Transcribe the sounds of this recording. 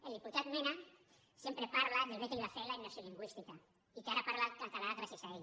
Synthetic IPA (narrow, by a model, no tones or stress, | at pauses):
eld̪iput̪at̪mena | sempɾepaɾlad̪eβekeliβafelaenasjoliŋɡwist̪ika | ikeaɾapaɾlat̪̚kant̪alaɣɾasjasaeʎ